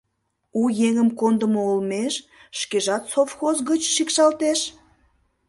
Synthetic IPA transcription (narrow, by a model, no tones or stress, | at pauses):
ujeŋəmkond̪əmoolmeʃʃkeʒɑt̪sofxozɣət͡ɕʃikʃɑlt̪eʃ